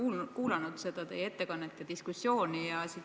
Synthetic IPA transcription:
uːlkuːlɑnud̪̥se̞d̪̥ɑt̪e̞̰je̞t̪ːekɑnːet̪ːˑed̪̥iskusːjo̞ːnijɑsi

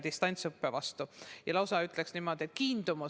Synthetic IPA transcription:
d̪ist̪ɑnʲt̪sɤpːevɑst̪ujɑlɑwsɑyt̪ːˑleksnimo̞d̪̥ʲiet̪̚kiːnd̪̥umu

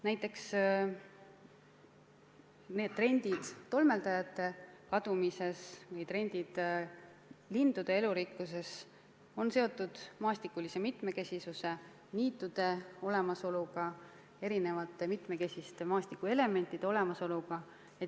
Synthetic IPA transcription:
næjt̪ːˑe̞ks | ne̞ːd̪̚t̪ːre̞nʲd̪id̪̥ːo̞lme̞ld̪ɑjɑt̪ːˑe̞kɑd̪umise̞svɤjt̪re̞nʲd̪id̪̥ | lind̪ud̪̥e̞e̞luɾikːus̬e̞s | o̞nse̞o̞t̪ːˑud̪̥mɑːst̪ikːˑulise̞mit̪me̞ke̞sisuse̞ | niːt̪ːˑud̪̥e̞o̞le̞mɑso̞luɡ̥ɑ | e̞ɾine̞vɑt̪ːˑe̞mit̪me̞ke̞sʲist̪e̞mɑːsʲt̪ikːˑue̞le̞me̞nʲt̪ːˑid̪eo̞le̞mɑso̞luɡ̥ɑ | e

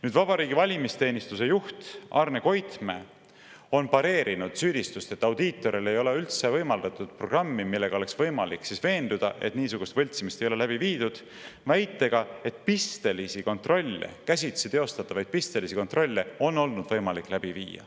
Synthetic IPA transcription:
nyːd̪vɑbɑɾiːɡivɑlʲimist̪e̞ːnʲist̪use̞juht̪ʔɑːrne̞ko̞jt̪me̞ | o̞npɑɾe̞ːɾinud̪̥syːd̪̥ist̪ust̪e̞t̪ːˑɑwd̪iːt̪ːˑo̞ɾile̞jo̞le̞ylt̪se̞vɤjmɑld̪ɑt̪ˑud̪̥̚pro̞ɡ̥rɑmːimilːe̞ɡ̥ɑo̞leksvɤ̞jmɑlikːsisve̞ːnd̪̥ud̪̥ɑ̰ʔe̞t̪niːsuɡ̥ust̪vɤ̞lʲt̪simist̪ejo̞le̞læb̥iviːd̪̥ud̪̥ | væjt̪ːˑe̞ɡ̥ɑe̞t̪ˑpist̪e̞lisiko̞nt̪ro̞lʲːḛkæs̬ʲit̪sit̪e̞o̞st̪ɑt̪ːˑɑvɑjd̪̥̚pist̪e̞lisiko̞nt̪ro̞lʲːe̞o̞nːo̞lnud̪̥vɤjmɑlikːˑlæb̥ivḭːjɑ̰

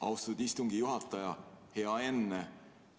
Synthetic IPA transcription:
ɑ̰wst̪ɑud̪ist̪uŋɡijuɦɑt̪ːˑɑjɑhe̞ɑe̞nːe

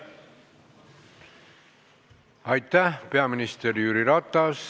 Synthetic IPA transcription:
ɑjt̪ːæhpe̞ɑminist̪eɾjyɾiɾɑt̪ːˑɑs

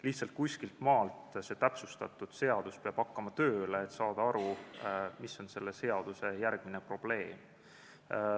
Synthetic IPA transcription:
liht̪sɑlt̪̚kusʲkilt̪mɑːlt̪se̞t̪æpsust̪ɑt̪ːˑud̪̥se̞ɑd̪̥uspeɑb̥ɑkːɑmɑt̪ø̞ːle̞ːt̪ːsɑːd̪ɑɑɾu | miso̞nse̞lːe̞se̞ɑd̪̥use̞jærɡ̥mine̞pro̞b̥le̞ːm

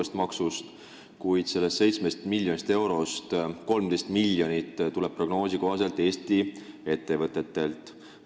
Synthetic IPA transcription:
est̪mɑksust̪ | kujd̪̥se̞lːest̪se̞jt̪sme̞st̪milʲjo̞nist̪e̞wɾo̞st̪ko̞lmd̪̥e̞st̪milʲːjo̞nit̪ːt̪ulɛb̥̚pro̞ɡ̥no̞ːsiko̞ɦɑse̞lt̪ːˑe̞ːst̪ie̞t̪ːe̞vɤt̪ːˑe̞t̪ːe̞lt̪ˑ

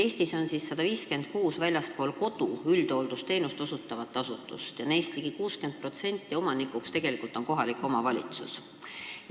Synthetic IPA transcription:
e̞ːsʲt̪iso̞nsisːɑd̪̥ɑviːske̞nd̪̥kuːsvælʲjɑspo̞ːlko̞d̪̥uyld̪̥o̞ld̪ust̪e̞ːnust̪osut̪ːˑɑvɑt̪ːˑɑsut̪ːˑṵst̪jɑne̞ːst̪liɡ̥ikuːske̞nd̪̚pro̞t̪se̞nʲt̪ːˑio̞mɑnikːˑukst̪e̞ɡ̥e̞likˑult̪ˑo̞nko̞ɦɑlikːˑo̞mɑvɑlʲḭt̪sṵs

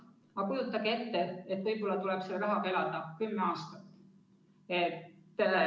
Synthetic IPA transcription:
ɑkujut̪ːˑɑɡ̥ee̞t̪ːeet̪ːˑvɤjbo̞lːɑt̪ulɛb̥selɾɑɦɑɡ̥ɑe̞lɑd̪̥ɑkymːeɑːst̪ɑt̪ːˑ | et̪ːe

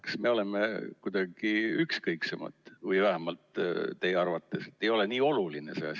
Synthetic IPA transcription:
ksme̞o̞le̞mekujd̪̥ɑɡ̥iykskɤjksemɑ̰t̪ˑvɯjvæɦæmɑlt̪t̪e̞jeɑrvɑt̪ːˑe̞se̞t̪ːe̞jo̞leniːo̞luline̞se̞̰ɑs

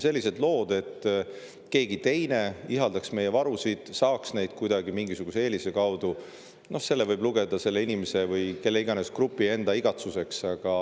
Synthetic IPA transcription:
se̞lʲːise̞d̪̥lo̞ːd̪e̞t̪ː | ke̞ːɡit̪e̞jne̞iɦɑld̪ɑksme̞jevɑɾusid̪̥sɑːksne̞jd̪̥kujd̪̥ɑɡimiŋɡisuɡ̥usee̞ːlise̞kɑwd̪̥u | no̞hse̞lːevɯjbluɡ̥e̞d̪̥ɑse̞lːe̞inimese̞vɯjke̞lːeiɡ̥ɑne̞skrupːˑie̞nd̪ɑiɡ̥ɑt̪suse̞ksɑɡ̥ɑ

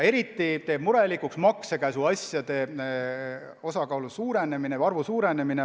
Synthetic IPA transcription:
e̞ɾit̪ːˑit̪e̞ːb̥muɾe̞likuksmɑksekæsuɑsjɑd̪̥e̞ | o̞sɑkɑulusuːɾe̞ne̞mine̞ɑrvusuːɾe̞ne̞mine

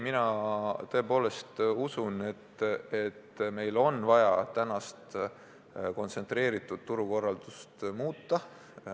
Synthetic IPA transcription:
minɑt̪ɤ̞e̞po̞ːle̞st̪usune̞t̪et̪me̞jlo̞nvɑjɑt̪ænɑst̪ | ko̞nt̪se̞nt̪ɾe̞ːɾit̪ːˑud̪̥̚t̪uɾuko̞rːɑld̪̥ust̪muːt̪ːɑ

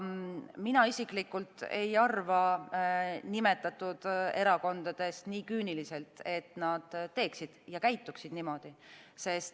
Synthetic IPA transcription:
minɑisiklikːult̪e̞̰jɑrvɑ | nime̞t̪ːˑɑt̪ːˑud̪̥e̞ɾɑko̞nd̪̥ɑd̪̥e̞st̪niːkyːnilise̞lt̪e̞t̪nɑd̪̥t̪ːe̞ːksid̪̥jɑkæjt̪ːˑuksid̪̥nimo̞d̪̥ise̞st̪

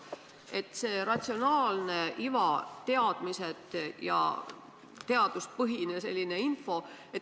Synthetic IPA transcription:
ʔe̞t̪ːˑse̞ːɾɑt̪ʲsio̞nɑːlne̞ʔivɑt̪e̞ɑd̪̥mise̞t̪ˑjɑ̰ | t̪e̞ɑd̪̥uspɤɦinese̞̰lʲːine̞info̞e

